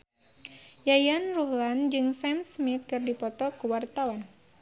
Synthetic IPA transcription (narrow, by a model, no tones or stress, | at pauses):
jajanruhland͡ʒɨŋsɛmsmit̪̚kɨrdipɔt̪ɔkuwart̪awan